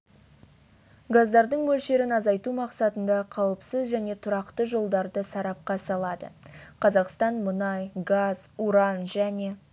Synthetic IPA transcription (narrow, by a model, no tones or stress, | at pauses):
ɡazd̪ɑɾd̪əɴmɵlʃe̞ɾɪnɑzɑjt̪umɑqsɑt̪ənd̪ɑqʰɑwəpsəzʒæne̞t̪ʰʊɾɑqt̪əʒo̞lˠd̪ɑɾd̪əsɑɾɑp̚qɑsɑlˠɑd̪ə̰qʰɑzɑqst̪ɑnmʊnɑjɡɑz̥uɾɑnʒæne̞